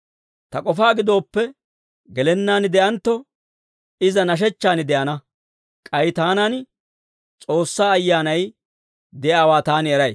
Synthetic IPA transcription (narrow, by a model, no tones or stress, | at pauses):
t̪ɐkʼɔfaːɡɪd̪o̞ːpːɛ | ɡɛlɛnːaːnɪd̪ɛʔɐnt̪ːɔ | ɪzɐnɐʃ̬ɛt͡ʃːaːnɪd̪ɛʔɐnɐ | kʼɐjɪt̪aːnan | t͡sʼo̞ːsːaːɐjːaːnɐj | d̪ɛʔaːwaːt̪aːnɪɛɾɐj